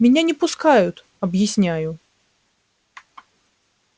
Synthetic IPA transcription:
mʲɪnʲanʲɛpʊskajʊt̪ | ɐbjɪsʲnʲæjʊ

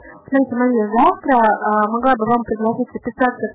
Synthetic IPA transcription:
smaɾʲit̪ʲɪmanʲiəzɑft̪ɾəmɐɡlˠabɨvampɾʲɪɡ̪lˠat̪ʲit̪ʲzəpʲɪsat̪ə

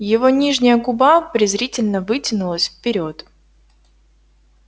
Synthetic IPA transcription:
jɪvo̞nʲiʐnʲɪjəɡʊbapɾʲɪzɾʲitʲɪlʲnəvɨtʲɪnʊlˠəsʲfpʲɪɾʲo̞t̪

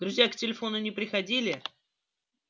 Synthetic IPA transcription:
d̪ɾʊzʲjaktʲɪlʲɪfo̞nʊnʲɪpɾʲɪxɐdʲilʲɪ

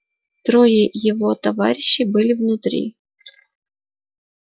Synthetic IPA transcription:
t̪ɾɔjijɔʋɔt̪ɐʋa̰ɾʲɪɕːibɨlʲɪvnʊt̪ɾʲḭ

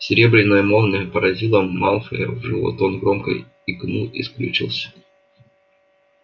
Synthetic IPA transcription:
sʲɪɾʲe̞bɾʲɪnːəjəmolˠnʲəpəɾɐzʲilˠəːalˠfəjə̰vʐɨlˠo̰t̪onɡɾomkə̰j | iknuḭsklʲʉt͡ɕilˠsʲə̥

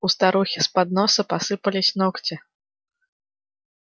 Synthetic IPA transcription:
ust̪aɾuxʲispad̪nɔsɐpasɨpɐlʲisʲnɔkt͡sʲɛ

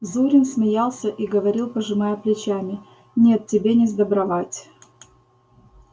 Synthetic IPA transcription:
zuɾʲɪnsmʲɪjalˠsʲəʔiɡəvɐɾʲilˠpəʐɨmajəplʲɪt͡ɕamʲɪ | nʲe̞t̪tʲːɪbʲenʲɪzd̪əbɾɐvatʲ

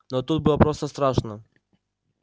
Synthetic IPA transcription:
not̪ut̪̚bɨlˠəpɾost̪əst̪ɾaʂnə

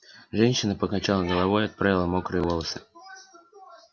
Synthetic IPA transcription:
ʐɛnʲɕːɪnəpəkɐt͡ɕalˠəɡəlˠɐvo̞jɐt̪̚pɾavʲɪlˠəmo̞kɾɨvo̞lˠəsɨ̥

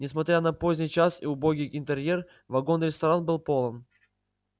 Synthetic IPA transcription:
nʲɪsmɐt̪ɾʲanɐpo̞zʲnʲɪjt͡ɕasɪ̰ʊbo̞ɡʲijɪnt̪ɨɾʲjer | vɐɡo̞nɾʲɪst̪ɐɾanbɨlˠpo̞lˠən

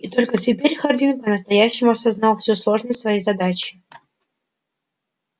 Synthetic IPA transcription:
it̪o̞lʲkətʲɪpʲeɾʲxɐrdʲinpənəst̪ɐjæɕːɪmʊɐsɐznɑlˠfʲsʲoslˠo̞ʐnəjsvɐjejzɐd̪at͡ɕɪ

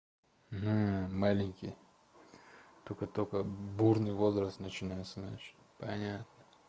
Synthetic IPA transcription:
malʲɪnʲkʲɪj | t̪okət̪okəburnɨjvo̞zɾəst̪nət͡ɕɪnajɪt̪sənnat͡ɕɪ̥ | pɐnʲat̪nə

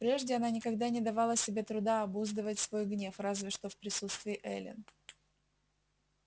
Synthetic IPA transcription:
pɾʲe̞ʐdʲɪɐnanʲɪkɐɡd̪anʲɪd̪ɐvalˠəsʲɪbʲet̪ɾʊd̪aɐbuzd̪ɨvətʲsvo̞jɡnʲe̞frazvʲɪʂt̪o̞fpɾʲɪsut̪st̪vʲɪɪʔɛlʲɪ̰n

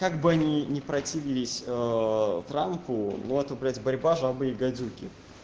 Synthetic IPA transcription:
kaɡbɨɐnʲinʲɪpɾɐtʲivʲɪlʲɪsʲət̪ɾampʊnuɛt̪əvpʲɛt̪ʲbɐɾʲbaʐbɨjɪɡɐd͡zʲukʲɪ

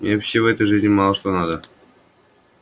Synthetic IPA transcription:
mʲeopɕʲːevɛt̪əjʐɨzʲnʲɪmɑlˠəʃt̪ˠɑnɑd̪ə

